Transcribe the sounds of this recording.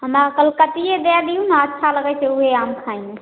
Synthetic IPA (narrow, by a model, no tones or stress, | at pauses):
ɦəmɾakəlkət̪ijed̪ed̪ijunəətːʃʰaləɡɛseuɦeamkʰaĩe